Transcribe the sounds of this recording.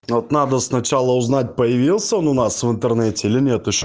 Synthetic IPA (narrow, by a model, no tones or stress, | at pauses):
ot̪nad̪əsnɐt͡ʃalˠəʊznat̚ʲpəjɪvilˠsʲəonʊnasvɨnt̪ɛɾnɛtʲɛilɪnʲɛt̪əʃ